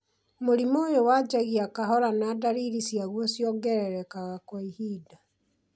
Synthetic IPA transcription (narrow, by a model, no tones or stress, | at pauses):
moɾimoːjowaːd͡ʑaɣiakaɦɔɾanadaɾiɾisiaɣwɔsjɔɡɛɾɛɾɛkaɣakwaihiːda